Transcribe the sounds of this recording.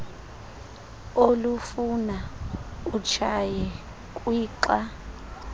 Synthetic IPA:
olufuna | ut͡ʃʰajɛ | kʼwiːǃa

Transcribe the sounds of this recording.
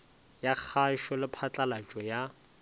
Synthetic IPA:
jak͡xʰaʃɔlɪpʰat͡ɬʼalat͡ʃʼɔja

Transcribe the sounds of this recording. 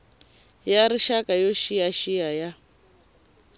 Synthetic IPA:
jaɾiʃakʼajɔʃijaʃijaja

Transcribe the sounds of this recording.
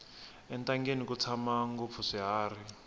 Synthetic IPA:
ɛntaŋɡenikut͡sʰamaŋɡup̪fʰuʂiɦaːri

